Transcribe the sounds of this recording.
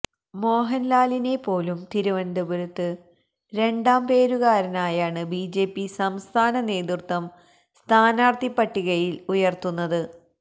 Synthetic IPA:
mo̞ːɦɐnlaːline̞pːo̞ːlumt̪iɾuʋɐnd̪ɐbuɾut̪ːɨ | ɾe̞ɳɖaːmpe̞ːɾuɣaːɾɐnaːjaːɳɨbiːd͡ʑe̞ːpːisɐmst̪ʰaːnɐne̞ːðurt̪wɐm | st̪ʰaːnaːrt̪ipːɐʈːiɣɐjilujɐrt̪unːɐðɨ

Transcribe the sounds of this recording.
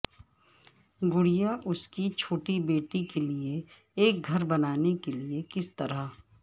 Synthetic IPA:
ɡʊɽijaʔʊskit͡ʃʰoːʈibeːʈikelie | eːk̚ɡʱɐɾbɐnaːnekeliekɪst̪ɐɾa

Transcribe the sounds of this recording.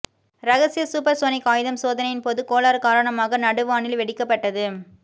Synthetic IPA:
ɾɐɣɐsɪjɐsuːpɐɾsoːnɪkːaːjɯðɐmsoːðɐnɐjɪnpɔðɯkːoːlaːɾkaːɾɐɳɐmaːɣɐnɐɽɯʋaːɳɪlʋɛɽɪkːɐpːɐʈːɐðɯ

